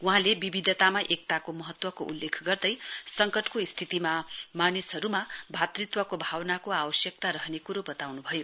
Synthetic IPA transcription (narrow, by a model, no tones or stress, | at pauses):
wuɦãlebibid̪ʱʌt̪amaʔek̚t̪akomʌɦʌt̪wʌkoʔulːekʰɡʌrd̪ʌjsʌŋkʌʈkoist̪ʰit̪imamanisɦʌɾumabʱat̪rit̪wʌkobʱawnakoabʌsjʌkt̪aɾʌɦnekuɾobʌt̪awnubʱʌjo